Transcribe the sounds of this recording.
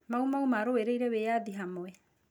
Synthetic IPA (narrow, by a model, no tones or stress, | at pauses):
maumaumaɾoeɾeiɾeweːaðiɦamoɛ